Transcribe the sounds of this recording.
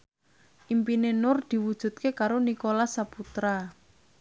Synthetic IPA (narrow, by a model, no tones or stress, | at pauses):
ʔimpinenʊrd̪̥i̤wud̥ʒ̥ṳt̪̚kekaɾonikolasaput̪ɾa